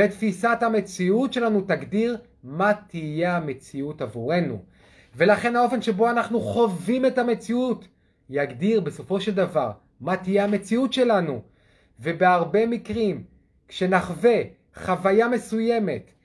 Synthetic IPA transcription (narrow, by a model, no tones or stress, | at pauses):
etfisathame̞t͡siutʃe̞lanutaɡdiʁ | matije̞ame̞t͡siutavuʁe̞nṵ | ve̞laχe̞nao̞fe̞nʃe̞bo̞anaχnuχo̞vime̞tame̞t͡siut | jaɡdiʁbe̞so̞fo̞ʃe̞ldavaʁ | matijeame̞t͡siutʃe̞lanu | ve̞beaʁbe̞mikʁim | kʃe̞naχve̞ | χavajame̞suje̞me̞t